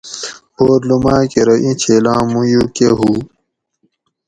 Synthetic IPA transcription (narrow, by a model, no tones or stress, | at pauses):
boːɾlumaːkeɾɐʔĩt͡ɕʰeːlãːmũjukeɦuː